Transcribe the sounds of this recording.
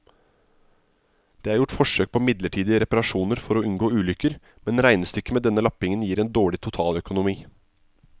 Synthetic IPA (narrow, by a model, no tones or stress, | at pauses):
d̪̥eːæɾjʊʈːfɔʂøːk̚pʰɔːmɪd̪ləʈʰiːd̪ɪəɾɛpɑɾɑʂuːnəɾfɔɾɔʉnɡoːʉːlʏkəɾ | mɛnɾæɪnəst̪ʏkːəmeːd̪ɛnːəlɑpɪŋənjiːɾɛːnd̪oːɭɪt̪ʰʊt̪ʰɑːlœkʊnʊmiː